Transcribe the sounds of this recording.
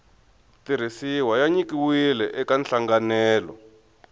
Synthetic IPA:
tiɾ̤isiwajaɲikiwilɛʔɛkanɬaŋɡanɛːlɔ̰

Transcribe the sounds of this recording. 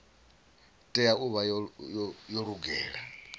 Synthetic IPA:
tʼɛjauβajɔjjɔɺuɡɛːɺa

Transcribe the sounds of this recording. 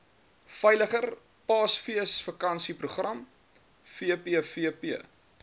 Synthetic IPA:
fɛjləχər | pɑːsfiəsfəkɐnsipɾuχrɐm | fiəpiəfiəpiə

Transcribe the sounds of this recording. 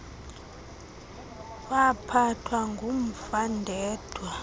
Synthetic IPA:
wapʰatʰwaŋɡʱom̩fandʱɛːd̥ʱwa

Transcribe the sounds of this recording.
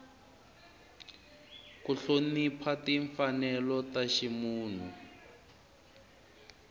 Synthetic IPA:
kuɬonipʰatiɱfanɛlɔtaʃimuːn̤u

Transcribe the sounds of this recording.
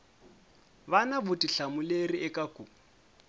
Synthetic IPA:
banabʊtʼiɬamʊleriɛkʼakʼu

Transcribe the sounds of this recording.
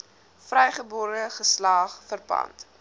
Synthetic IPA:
frɛjχəboːɾəχəslɑːχfərpɐ̰nt

